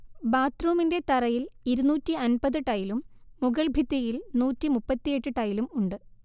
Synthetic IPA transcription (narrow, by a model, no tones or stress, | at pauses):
baːt̪ruːminde̞t̪ɐɾɐjiliɾunuːtːiɐnbɐðɨʈɐjilumːuɣɐɭbʱit̪ːijilnuːtːimupːɐt̪ːije̞ʈːɨʈɐjilumuɳɖɨ